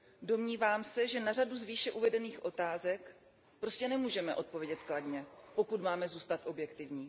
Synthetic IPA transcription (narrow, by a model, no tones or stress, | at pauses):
do̞mɲiːvaːmsɛʒɛnaraduzviːʃɛʔuvɛdɛniːxʔo̞t̪aːzɛk | pɾo̞scɛnɛmuːʒɛmɛʔo̞t̪̚po̞vjɛɟɛt̪kladɲɛpo̞kut̪maːmɛzuːst̪at̪ʔo̞bjɛkt̪ɪvɲiː